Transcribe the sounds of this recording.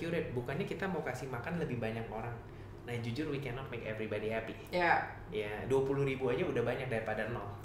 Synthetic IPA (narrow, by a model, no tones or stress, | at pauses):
juɾɛt̪̚bukanɲakit̪amawkasimakanləbɪhbaɲakoɾaŋ | nahd͡ʒud͡ʒʊrwikɛnɔt̪̚mekɛvɾibadiɦapi | ja | jaduapuluhɾibuad͡ʒaudahbaɲak̚daɾipadarnɔl